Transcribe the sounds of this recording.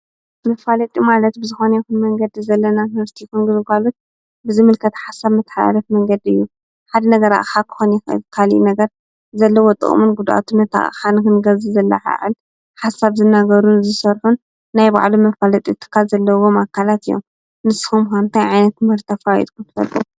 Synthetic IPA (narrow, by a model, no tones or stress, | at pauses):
mɐfalɐt̪ʼimalɐt̪̚bɨzɨxonɐjɛkunmɐŋɡɐd̪izɐlːɐnak̪mɐɾt̪ʰikunɡɨmɨkalut̪̚ | bɨzɨmɨlkʰɐt̪ħasaβmɨt̪ːħa̰lɐfmɐŋɡɐd̪iɨjːu | ħad̪ɐnɐɡɐɾa̰ʔxakʰɨ̥xonxɨ̰kʰalḭʔnɐɡɐɾ | zɐlːɐwot̪ʼɨ̰χʼmunɡud̪ʔa̰t̪ʰunɐt̪ʰa̰ʔxanɨkɨnɡɐzizɐlːɐ̰ʕa̰ʕɨ̰l | ħasaβzɨnːaɡɐɾunzɨsɐɾħunː | ajba̰ʕlumɐfalɐt̪ʼit̪ʰːɨ̥kʰːalzɐlːɐwomakʰːalat̪ɨjːo̰m | nɨsɨ̥xumkant̪ʰajʕajnɐt̪mhɨɾt̪ʰːafajḭt̪kʰunt̪ɨ̥fɐ̰lt̪ʼu